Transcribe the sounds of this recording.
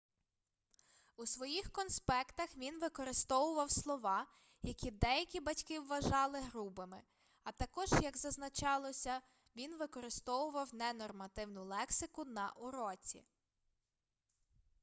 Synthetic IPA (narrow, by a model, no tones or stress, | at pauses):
usʋɔjixkɔnspɛkt̪ɐxʋʲinʋɪkɔɾɪst̪ɔwʊʋɐwslˠɔʋɑ | jɐkʲid̪ɛjɐkʲibɐtʲkɪwːɐʒɑlˠɪɦɾubɪmɪ | ɐt̪ɐkɔʒjɐɡzɐznɐt͡ʃɑlˠɔsʲɐ | ʋʲinʋɪkɔɾɪst̪ɔwʊʋɐwnɛnɔrmɐt̪ɪwnʊlˠɛksɪkʊnɐʔʊɾɔt͡sʲḭ